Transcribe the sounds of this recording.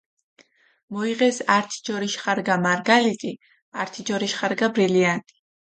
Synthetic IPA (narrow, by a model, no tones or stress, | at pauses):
mɔiʁɛsaɾt̪ʰi̥d͡ʒɔɾiʃχaɾɡamaɾɡalit̪ʼi | aɾt̪ʰid͡ʒɔɾiʃχaɾɡabɾiliant̪ʼi̥